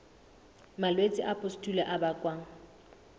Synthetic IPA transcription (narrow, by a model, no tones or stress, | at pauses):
malwet͡sʼɪʔapʼʊstʼulɛʔabakʼwaːŋ̩